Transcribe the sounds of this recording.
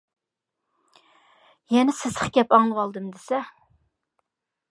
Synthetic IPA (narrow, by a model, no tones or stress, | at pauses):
jɛnɛsɪzəχɡʲɛpɑŋlˠəwɑlˠd̪ɨmd̪ɪsɛ